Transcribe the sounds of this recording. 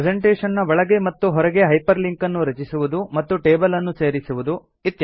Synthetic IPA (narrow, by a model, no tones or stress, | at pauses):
d͡ʒeɳʈeːʂɐnːɐbɔɭɐɡe̞mɐt̪ːuɦɔɾɛɡe̞ɦɐjpɐɾliŋkɐnːuɾɐt͡ʃisuʋud̪umɐt̪ːuʈeːbɐlɐnːuse̞ːɾisuʋud̪u | it̪ːjɐ